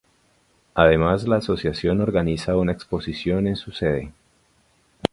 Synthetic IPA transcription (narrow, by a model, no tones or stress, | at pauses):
aðe̞mazlaːso̞sjasjo̞no̞ɾɡanisaunaekspo̞sisjo̞ne̞nsuse̞ðe̞